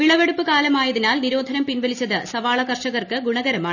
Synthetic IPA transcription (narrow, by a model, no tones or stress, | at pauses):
ʋiɭɐʋeɽupːɨkaːlɐmaːjɐðinaːlniɾo̞ːd̪ʱɐnɐmpinʋɐlit͡ɕːɐðɨsɐʋaːɭɐkɐrʂɐɣɐrkɨɡuɳɐɣɐɾɐmaːɳ